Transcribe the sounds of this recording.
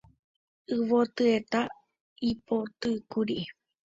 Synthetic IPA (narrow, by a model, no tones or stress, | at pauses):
ɨʋot̪ɨet̪a | ipot̪ɨkuɾiʔe